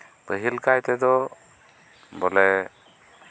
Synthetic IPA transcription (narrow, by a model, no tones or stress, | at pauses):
bəɦilkajt̪ɛd̪ɔ | bɔlɛ